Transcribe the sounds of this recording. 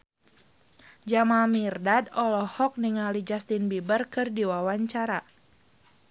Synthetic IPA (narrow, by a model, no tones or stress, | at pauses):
d͡ʒamamirdadɔlɔhɔk̚niŋalid͡ʒast̪inbibərkɨrdiwawaɲt͡ʃaɾa